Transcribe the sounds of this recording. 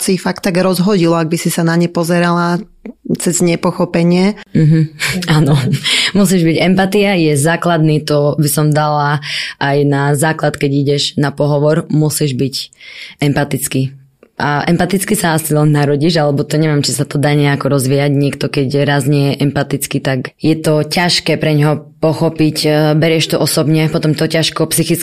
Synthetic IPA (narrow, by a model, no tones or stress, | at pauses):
sifak̚t̪ːaɡɾɔzɦɔɟilɔaɡ̚bisisanaɲɛpɔzɛɾala | t͡sɛzɲɛpɔxɔpɛɲɪɛm̩ɦ̩aːnɔmus̬iʒbiɟɛmpat̪iajɛzaːklad̪nit̪ɔbisɔmd̪alaʔajnazaːklat̪kɛɟiɟɛʒnapɔɦɔʋɔɾmusiʒbicɛmpat̪it͡ski | ʔaʔɛmpat̪it͡skisaasilɛnːaɾɔɟiʒalɛbɔt̪ɔɲɛʋɪɛmt͡ʃisat̪ɔd̪aːɲɛakɔɾɔzʋiːaɟɲɪɛkt̪ɔkɛɟɾazɲɛjɛʔɛmpat̪it͡skit̪akjɛt̪ɔcaʃkɛːpɾɛɲɦɔpɔxɔpicbɛɾɪɛʃt̪ɔʔɔsɔbɲɛpɔt̪ɔmt̪ɔcaʃkɔpsixit͡s